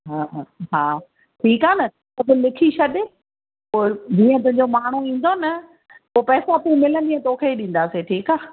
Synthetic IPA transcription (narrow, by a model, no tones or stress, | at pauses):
ɦaːɦɦaː | ʈʰiːkaːnɐ | ɐbɪlɪkʰiʃʰɐɗɪ | poːd͡ʑĩːə̃t̪̬ɐ̃ɦɲd͡ʑomaːɳ̤̃uĩːn̆d̪onɐ | poːpɛːsõɐpũmɪlə̃nd̪iːə̃t̪oːkʰeɗĩːn̆d̪aːseʈʰiːkaː